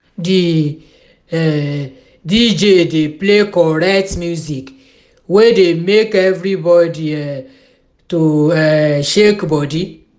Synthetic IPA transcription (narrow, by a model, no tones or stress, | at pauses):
di | ɛ | did͡ʒedeplekɔɾɛktmjuzik | wedemekɛvɾibɔdiɛ | tuɛʃekbɔdi